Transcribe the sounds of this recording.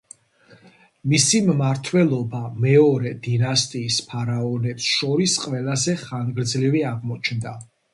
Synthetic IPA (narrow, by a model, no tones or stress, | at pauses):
misimmaɾt̪ʰwɛlˠɔbamɛɔɾɛd̪inast̪ʼiːspʰaɾaɔnɛpsʃɔɾisqʼvɛlazɛχanɡɾd̪zliviaʁmɔt͡ʃʰnd̪a